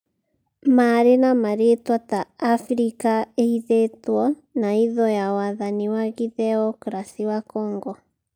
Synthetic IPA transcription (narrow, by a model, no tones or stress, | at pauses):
maɾenamaɾetwat̪aːfɾikaehiðetwɔ | naiðɔjawaðaniwaɣiðɛɔkɾasiwakɔŋɡɔ